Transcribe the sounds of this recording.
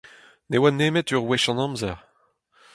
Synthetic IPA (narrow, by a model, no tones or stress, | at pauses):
newaneːmɛt̪yʁwɛʃɑ̃nɑ̃mzɛʁ